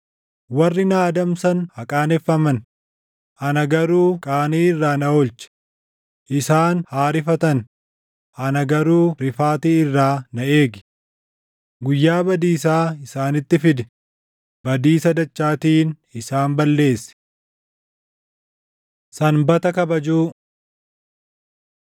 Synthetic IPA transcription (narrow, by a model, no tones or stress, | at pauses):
wɐrːɪnaːd̪ɐmsɐnhɐkʼaːnɛfːɐmɐn | ʔɐnɐɡɐɾuːkʼaːniːɪrːaːnɐolt͡ʃɛ̥ | ʔɪsaːnhaːɾɪfɐt̪ɐn | ɐnɐɡɐɾuːɾɪfaːt̪iːɪrːaːnɐʔe̞ːɡɪ̥ | ɡʊjːaːbɐd̪iːs̬aːɪsaːnɪt̪ːɪfɪd̪ɛ̥ | b̥ɐd̪iːsɐd̪ɐt͡ʃːaːt̪iːn | ɪsaːmbɐlːe̞ːsɛ̥ | sɐnbɐt̪ɐkɐbɐd͡ʒuː